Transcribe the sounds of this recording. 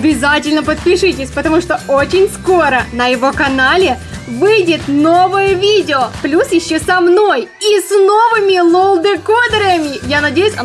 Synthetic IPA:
ɐbʲɪzatʲɪlʲnəpət̪̚pʲɪʂɨtʲɪsʲpət̪ɐmuʂt̪o̞ot͡ɕɪnʲsko̞ɾənəjɪvo̞kɐnalʲɪ | vɨjdʲɪt̪no̞vəjəvʲidʲɪoplʲusjɪɕːosɐmno̞jisno̞vɨmʲɪlˠolˠd̪ɨkod̪ɾəəmʲɪjanɐdʲejʊsʲɐ

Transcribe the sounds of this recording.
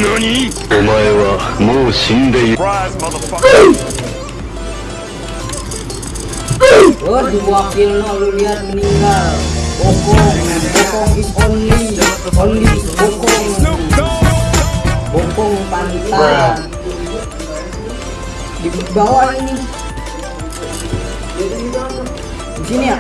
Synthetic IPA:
olaewamosində | əhdibakillaululiat̪̚məniŋɡalbɔkɔŋbɔkɔŋiɔnli | ɔnlibɔkɔŋ | bɔkɔŋpant̪aa | dibawaini | a | disinia

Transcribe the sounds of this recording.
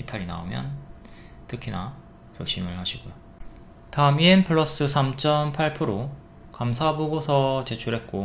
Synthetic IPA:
itʰaɾina̰o̰mjʌ̰n | tɯkʰina | t͡ɕʌɕ͈imɯɭɦaɕʰiɡojo | taɯmienpʰɯɭːʌs͈ɯs̬ʰamt͡ɕ͈ʌnpʰaɭpʰɯɾo | kamsʰaboɡosʰʌt͡ɕe̞t͡ɕʰuɾɦe̞t̚k͈o

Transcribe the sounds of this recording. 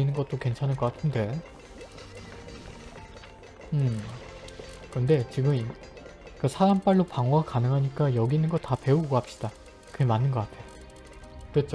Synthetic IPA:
inɯnɡʌt̚t͈okwe̞nt͡ɕʰanɯɭk͈ʌk͈atʰɯnde̞ | ɯm | kɯnde̞t͡ɕiɡɯmi | kɯsʰaɾamp͈aɭːopaŋoakanɯŋɦaɲik͈ajʌɡinɯnɡʌtape̞uɡɡʌap̚ɕ͈i̥d̥a | kɯɡemanːɯnɡʌk͈atʰe̞jo | kɯɾet̚t͡ɕ͈o

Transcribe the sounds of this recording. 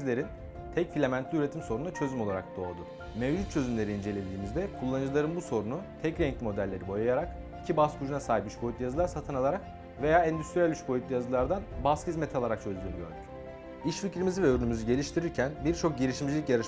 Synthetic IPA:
zlʲe̞ɾin | t̪ʰɛcfilʲemænt̪lʲiyɾe̞t̪ʰimso̞ɾund̪at͡ʃʰø̞zymo̞lˠaɾak̚d̪o̞ːd̪ʊ | mɛvd͡ʒut̪̚t͡ʃʰø̞zymlʲe̞ɾiːnd͡ʒe̞lʲed̪ʲiːmizd̪ɛkʰulˠːanɯd͡ʒɯlˠaɾɯnbuso̞ɾunut̪ʰɛcɾɛɲclʲimo̞d̪ælʲːe̞ɾibo̞jajaɾak | icʰibaskʰud͡ʒunasaːɦipyʃbʰo̞jyt̪ʲːjazɯlˠaɾsat̪ʰɯnalˠaɾak | ve̞jaːɛnd̪yst̪ɾijælʲyʃbo̞jʲyt̪ʲːijazɯlˠaɾd̪anbashizmɛt̪ʰalˠaɾak̚t͡ʃʰø̞zd̪ʲyːnyɟø̰ɾd̪y̥c | iʃficɾimizivɛøɾynymyzyɟe̞lʲiʃt̪ʰiɾiɾcʰænbiɾt͡ʃʰo̞k̚ɟiɾiʃimd͡ʒilʲicjaɾɯʃ

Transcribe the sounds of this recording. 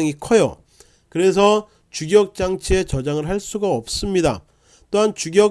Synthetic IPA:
ŋikʰʌjo̰ | kɯɾe̞s̬ʰʌ | t͡ɕuɡjʌk̚t͡ɕ͈aŋt͡ɕʰiet͡ɕʌd͡ʑaŋɯɭɦaɭs͈uɡaʌp̚s͈ɯmɲida̰ | t͈oɦant͡ɕuɡjʌ

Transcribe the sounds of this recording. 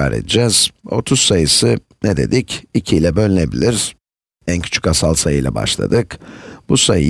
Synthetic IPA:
aːɾḛd̪id͡ʒɛz̥o̞t̪ʰuz̥sajɯsɯ | neɛd̪e̞̰d̪icicʰiilʲɛbølʲine̞bilʲiɾ̥ | æncʰy̥t͡ʃʰy̥casalˠsajɯjlʲˠa̰ba̰ʃlˠa̰d̪ɯkb̥usajɯ

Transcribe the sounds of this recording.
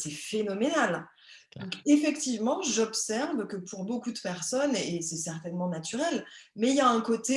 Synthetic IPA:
sɛfenɔmenal | d̪ɔ̃kefɛkt̪ivmɑ̃ʒɔpsɛʁvkəpʰuʁbokud̪əpɛʁsɔnesɛsɛʁt̪ɛnmɑ̃nat̪yʁɛlmɛiljaɛ̃kot̪e

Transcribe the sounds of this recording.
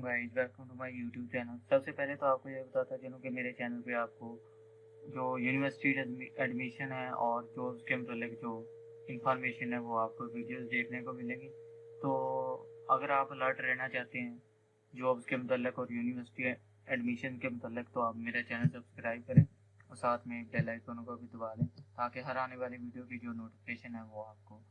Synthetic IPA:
ɡaːɪd͡ʒbɛːkõʈ̪umaːjuːʈjuːb̚t͡ʃɛːnəlsɐbsepɛɦlet̪oaːp̚kojebɐt̪aːt̪aɦɛd͡ʒɪːnõːkemeːɾet͡ʃɛːnəlpeaːp̚ko | d͡ʒoːjuːnɪʋəɾsɪʈiɖɛːɖmɪʃənɦɛɔːɾd͡ʒoːbzkemʊt̪əlːɪkd͡ʒoː | ɪ̃nfɔːɾmeːʃənɦɛʋoaːp̚koʋɪɖijoːzɖ̪eːkʰnekomɪlẽːɡiːt̪oːɐɡəɾaːpləɾʈɾɛɦnat͡ʃaːɦt̪eɦɛ̃ː | d͡ʒoːbskemʊt̪əlːɪkɔːɾjuːnɪʋəɾsɪ̥ʈi | ɛːɖmɪʃənkemʊt̪əlːɪkt̪oaːpmeːɾat͡ʃɛːnəlsɐbskɾaːɪb̚kɐɾẽː | ɔːɾsaːt̪ʰmẽbɛːlaːɪʈoːnõkabʱid̪ʊbaːlẽːt̪aːkeɦɐɾaːneʋaːleʋiːɖijokid͡ʒoːnoːʈɪfɪkeːʃənɦɛʋoaːp̚koː

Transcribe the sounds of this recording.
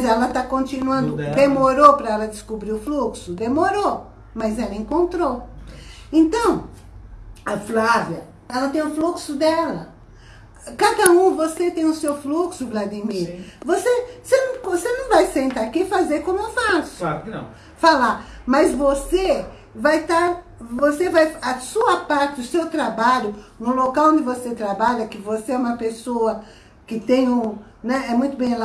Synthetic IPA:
zɛlɐt̪akõnt͡ʃ̪ĩnuɐ̃nd̪ʊd̪emoɾopɾɐɛlɐd̪ɪskubɾiʊfluksʊd̪emoɾo | mɐzɛlɐẽkõnt̪ɾo | ẽnt̪ɐ̃w̃ | ɐflavjɐ | ɛlɐt̪ẽj̃ʊfluksʊd̪ɛlɐ | kad̪ɐũvoset̪ẽj̃ʊsewfluksʊblad̪imiɾvosesenɐ̃kosenɐ̃w̃vajsẽnt̪akifazeɾkõmʊewfasʊaɾknɐ̰̃ | falamɐzvose | vajt̪aɾ | vosevajɐsuɐpaɾt̪ɪʊsewt̪ɾabaʎʊnʊlokawõnd̪ɪvoset̪ɾabaʎɐkɪvoseɛũmɐpesoɐ | kɪt̪ẽj̃ũ | nɛɛmũj̃t̪ʊbẽj̃l

